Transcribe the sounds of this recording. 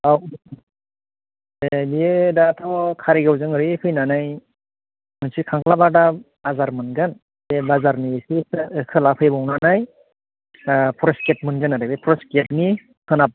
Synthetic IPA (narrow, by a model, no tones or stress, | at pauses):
aw | ebiedatʰɔkʰaɾiɡawzɯŋɯɾipʰɯjnanaj | mɯnsikʰaŋkʰlabada | azaɾmɯnɡɯn | bebazaɾnisiɯkʰɯlapʰɯjbɔwnanaj | pʰɔɾesket̚mɯnɡɯnadabepʰɔɾesketni | hʰɯnap̚